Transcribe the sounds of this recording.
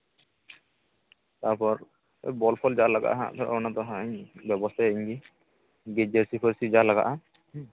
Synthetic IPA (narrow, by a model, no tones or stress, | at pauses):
t̪aɾpɔɾ | bɔlpʰɔld͡ʒalaɡa̰ʔɦã̰ʔt̪ʰɔɾɔnat̪ɔɦãɲbjɔbɔst̪ʰajiɲɡi | ɡed͡ʒəɾsipʰɔɾsid͡ʒalaɡa̰ʔa